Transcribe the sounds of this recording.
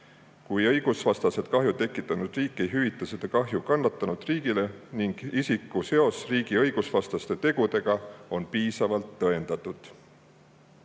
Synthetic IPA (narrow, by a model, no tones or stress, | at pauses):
kujɤ̞jɡ̥usvɑst̪ɑse̞d̪̥kɑɦjut̪e̞kːˑit̪ːˑɑnud̪̥riːkːˑe̞jɦyvit̪ˑːɑsed̪̥ɑkɑɦjukɑnːɑt̪ːˑɑnud̪̥riːɡ̥ile̞niŋɡ̥isikːuse̞o̞sriːɡ̥iɤjɡ̥usvɑst̪ɑst̪e̞t̪e̞ɡ̥ud̪e̞ɡ̥ɑo̞npiːsɑvɑlt̪ːɤe̞nd̪̥ɑt̪ːˑud̪̥